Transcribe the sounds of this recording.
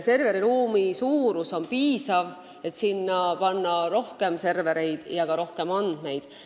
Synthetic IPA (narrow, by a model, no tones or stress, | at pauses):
se̞rve̞ɾiɾuːmisuːɾuso̞npiːsɑv | e̞t̪sinːɑpɑnːɑɾo̞hke̞mse̞rve̞ɾe̞jd̪̥jɑkɑɾo̞hke̞mɑnd̪̥me̞jd̪̥